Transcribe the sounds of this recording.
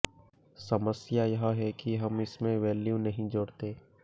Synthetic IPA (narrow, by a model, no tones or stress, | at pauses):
sɐməsjajɐɦɦɛkiɦɐmɪsmẽʋɛːljunɐɦĩd͡ʒoːɽt̪eː